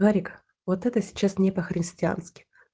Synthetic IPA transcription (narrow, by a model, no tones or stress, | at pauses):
aɾʲɪk | vot̪ɛt̪əsʲɪ̥t͡ɕːasnʲɪpəxɾʲɪsʲtʲɪa̰nskʲɪ̥